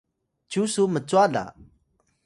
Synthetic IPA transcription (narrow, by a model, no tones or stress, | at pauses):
t͡ʃusumət͡ʃuala̰